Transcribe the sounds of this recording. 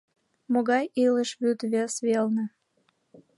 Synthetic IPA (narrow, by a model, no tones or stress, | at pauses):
moɣɑjiləʃβyt̪βesβelnə̆